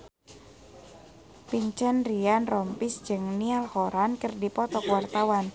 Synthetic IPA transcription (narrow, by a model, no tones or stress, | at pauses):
piɲt͡ʃɛnrianrɔmpisd͡ʒɨŋnialhoɾankərdipɔt̪ɔkwart̪awan